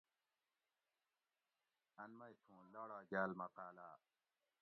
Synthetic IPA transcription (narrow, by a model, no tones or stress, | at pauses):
ɐnmɐjtʰũːlaːɽaːd͡ʑaːlmɐqaːlaː